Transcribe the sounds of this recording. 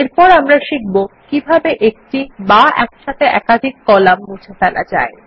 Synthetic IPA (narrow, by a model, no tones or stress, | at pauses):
eɾpɔɾamɾaʃik̚bokibʱabeʔek̚ʈibaɛkʃat̪eʔɛ̰kad̪ʱikːɔlammud͡ʑʰefɛla̰d͡ʑa̰e